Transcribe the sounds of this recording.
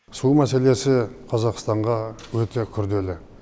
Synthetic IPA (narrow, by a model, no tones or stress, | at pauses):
sumæse̞le̞sɪqʰɑzɑqst̪ɑɴʁɑwɵt̪e̞kʲʰʏɾd̪e̞lɪ